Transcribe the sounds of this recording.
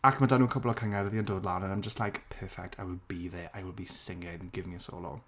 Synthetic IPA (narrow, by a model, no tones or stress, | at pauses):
akmadanuːənkʰɔblˠɔkʰəŋaɾəðiəndoːdˡlanə̃naɪ̃md͡ʒəstlˠajkpʰɜːfɛk̚tʰajwɪlbiðɛʔajwɪlˠbisɪŋɪdnɡɪvɪŋjəso̰ːlˠo̰